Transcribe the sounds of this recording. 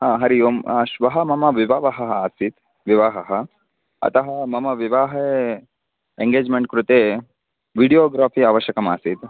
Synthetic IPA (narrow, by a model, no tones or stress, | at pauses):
ɦãːɦɐɾijoːmʃʋɐɦɐmɐmɐʋiʋaːʋɐɦɐɦɐaːsit̪ | ʋiʋaːɦɐɦɐ | ɐ̰t̪ɐɦɐmɐmɐʋiʋaːɦɐe | eŋɡeːd͡ʒmeɳʈ̚kɾut̪eː | ʋiɽijoːɡɾaːpʰiːaːʋɐʃjɐkɐma̰ːsit̪